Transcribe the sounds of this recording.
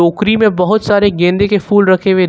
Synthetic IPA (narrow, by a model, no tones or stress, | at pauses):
oːkɾimẽbɐɦʊt̪saːɾeɡẽːnd̪ekefuːlɾɐkʰewe